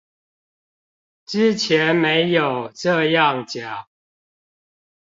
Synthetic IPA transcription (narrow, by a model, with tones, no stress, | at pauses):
ʈ͡ʂɻ̩˥˦t͡ɕʰjɛ˨˦nme˨˦ɪjo˨˩ʊʈ͡ʂɤ˥˧jɑ˥˨ŋt͡ɕja˨˩˦